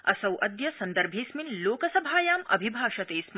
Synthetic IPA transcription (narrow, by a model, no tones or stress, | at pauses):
ɐsɐwʔɐd̪jɐsɐnd̪ɐɾbʱeːsminloːkɐsɐbʱaːjaːmɐ̰bʱibʱaːʃɐt̪eːsm